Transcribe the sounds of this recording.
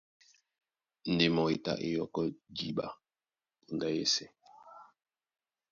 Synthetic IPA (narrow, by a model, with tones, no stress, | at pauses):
n̩˨de˨mɔ˨e˨ta̰˦ʔḛ˦jɔ˨kɔ˦d͡ʒi˦˨ba̰˦ | u˨nda˦jɛ˦sɛ˨